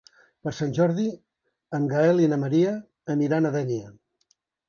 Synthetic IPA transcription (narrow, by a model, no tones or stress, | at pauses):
pəɾsanʲʒɔɾði | əmɡaɛlˠinəməɾiəː | niɾanəðɛniə